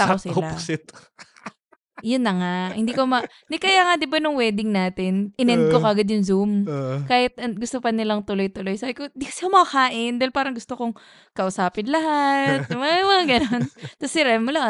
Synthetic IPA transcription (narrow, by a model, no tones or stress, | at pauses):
t̪aosɪllasɪt̪ | jʊnːɐŋahɪnd̪iːkomɐ | nɪkɐjaŋɐd̪ɪbanʊŋwɛːd̪ɪŋnaːt̪ɪnʔɪnɛnd̪̚kokɐʔɡɐd̪jʊŋzumkaːhɪt̪̚ɐɡʊst̪opɐnɪlɐŋt̪ʊlo̞jt̪ʊlojsaːbɪkond̪iksɪkamɐkaːʔɪnd̪aːhɪlpaːɾɐŋɡʊst̪okoŋ | kɐʔʊsaːpɪnlɐɦat̪̚mamɐɡɐnont̪ɐsɪɾɛmʊla